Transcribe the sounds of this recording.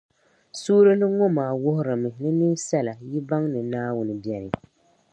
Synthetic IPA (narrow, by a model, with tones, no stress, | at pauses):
suː˦ɾɨ˦lɨ˦ŋɔ˦maː˨wʊ˦hʊ˦ɾɨ˨mɨ˨nɨ˦nɨ˦ŋsɛ˦la˨ji˦ba˦ŋnɨ˨naː˦wʊ˦nɨ˨bjɛ˨ɾɨ˨